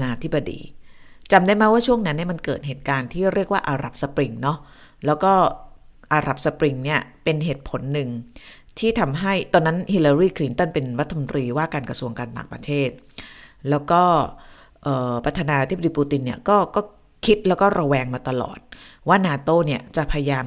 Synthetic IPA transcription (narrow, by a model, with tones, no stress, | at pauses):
naː˧t̪ʰi˦˥ba˧dḭː˧t͡ɕa˧mdaː˥˩jma˦˥waː˥˩t͡ɕʰu˥˩əŋna˦˥nːi˥˩ma˧nkɤː˨˩t̪̚ɦeː˨˩t̪̚kaː˧nt̪ʰiː˥˩ɾi˥˩ək̚waː˥˩ʔaː˧ɾa˨˩p̚sa˧pɾi˧ŋnɔ˦˥ | lɛː˦˥wkɔː˥˩ | ʔaː˧ɾa˨˩p̚sa˧pɾi˧ŋni˥˩ɐpe˧nɦeː˨˩t̪̚pʰo˩˦nːɯ˨˩ŋ | t̪ʰiː˥˩t̪ʰa˧mɦa˥˩jt̪ɔː˧nːa˦˥nhi˧laː˧ɾiː˥˩kʰli˦nt̪ɔ˥˩npe˧nɾa˦˥t̪ʰːa˧mo˧nt̪ɾiː˧waː˥˩kaː˧nkɾa˧su˧əŋkaː˧nt̪a̰ː˨˩ŋpɾa̰˧t̪ʰeː˥˩t̪̚lɛː˦˥wkɔː˥˩ | ʔɤː˨˩pɾa˧t̪ʰaː˧naː˧a˧t̪ʰi˦˥b̚diː˧puː˧t̪i˧nːi˥˩ɐkɔː˥˩kɔː˥˩ | kʰi˦˥t̪̚lɛː˦˥wkɔː˥˩ɾa˧wɛː˧ŋmaː˧t̪a˧lɔ̰ː˨˩t̪̚waː˥˩naː˧t̪oː˥˩ni˥˩ɐt͡ɕa˨˩pʰa˧ja˧jaː˧m